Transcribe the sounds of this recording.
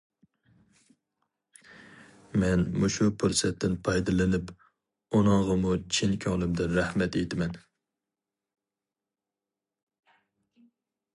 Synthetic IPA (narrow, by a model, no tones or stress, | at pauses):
mɛnmuʃupʰuɾsɛt̪ʰːɪnpʰɑjd̪ɨlˠɪnɪp | onɑŋʁəmut͡ʃʰinkʲʰɑŋlˠɪmd̪ɨɾæhmɛt̪ejt̪ɪmɛn